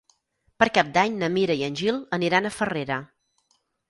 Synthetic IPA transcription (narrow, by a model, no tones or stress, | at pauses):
pəɾkap̚d̪aɲnəmiɾəiənʲʒilˠəniɾanəfəreɾə